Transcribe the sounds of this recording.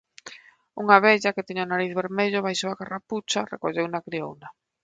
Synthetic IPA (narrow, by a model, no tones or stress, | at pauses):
uŋaβɛʎaket̪iɲaonaɾiθβeɾmeʎʊβajʃowakaraput͡ʃarḛkoʎewnakɾio̰wna